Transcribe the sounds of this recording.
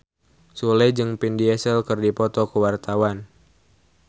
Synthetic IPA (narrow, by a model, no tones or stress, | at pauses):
sulɛd͡ʒɨŋpindiɛsɛlkɨrdipɔt̪ɔkəwart̪awan